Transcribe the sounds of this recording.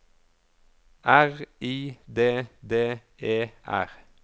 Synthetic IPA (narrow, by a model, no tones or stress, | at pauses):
ʔæʁiːd̪eːd̪eːʔeːʔæ̰ʁ